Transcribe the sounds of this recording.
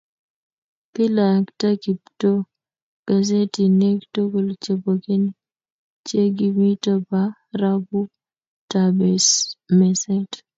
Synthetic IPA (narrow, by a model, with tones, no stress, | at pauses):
pɪ˦la˨kta˦ki˨pto˦ | ɡ̥a˨ze˦ti˨ne˦kto˦ko˨lt͡ʃe˨bo˨ke˦n | t͡ʃje˦ɡi˦mi˦tɔ˦pa | ɾa˦bu˦ | tabesmɛ˨sɛ˦t